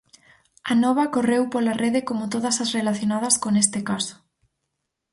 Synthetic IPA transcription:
anɔβ̞ɐkorewpolareðɪkomʊt̪oð̞ɐsasrelaθjonað̞ɐskonest̪ɪkaso̥

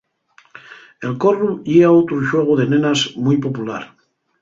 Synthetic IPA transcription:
elkoruʝeaot̪ɾuʃweɣ̞oðenẽnazmujpopula̰ɾ

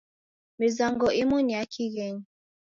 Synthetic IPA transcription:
mizaŋɡɔʔimuniakʰiɣɛɲi

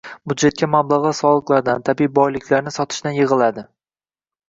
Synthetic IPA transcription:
bʊd̪d͡ʒe̞t̪̚kʲʰamablˠaʁasɒlˠɨqlˠaɾd̪ant̪ʰabiːbɒjlɪkʲlaɾnɪsɒt̪ʰɪ̥ʃt̪anjɪʁɨlˠad̪ɪ

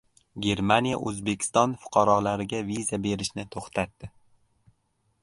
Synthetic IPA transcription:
ɡʲe̞ɾmanija̰ʔɵzbe̞kʲʰɪ̥st̪ɒnfʊ̥qʰɑɾɒlaɾɪɡʲavizabe̞ɾɪʃnɪt̪ʰoχt̪ʰat̪ːɪ

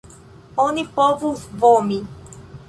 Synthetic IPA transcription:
ɔnipɔvuvɔmĩ

